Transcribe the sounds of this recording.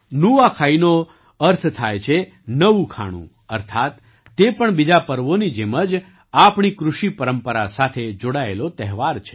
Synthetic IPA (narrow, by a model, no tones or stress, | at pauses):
nuakʰaino | əɾt̪ʰt̪ʰajt͡ʃʰe | nəʋũkʰa̰ɽ̃ṵ̃ | əɾt̪ʰat̪ː | epəɳbid͡ʒapəɾʋonid͡ʒeməd͡ʒ | apɳ̃ikɾuʃipəɾəmpəɾasat̪ʰed͡ʒoɽaelot̪ɛɦʋaɾt͡ʃʰe̥